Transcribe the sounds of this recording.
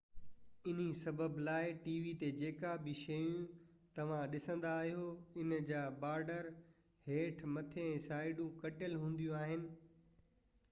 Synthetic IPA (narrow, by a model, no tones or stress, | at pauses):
ɪn̤isɐbəblaːɪʈiːʋit̪ed͡ʑeːkabɪʃɐjũ | t̪ɐʋ̤ãɗɪsə̃n̆d̪aːɦijoɪnd͡ʑaːbaːɾɖəɾ | heːʈʰmɐt̪ʰeɛ̃ːsaːɪɖũkɐʈɪəlɦũːn̆d̪ijũaːɦɪnɪ̆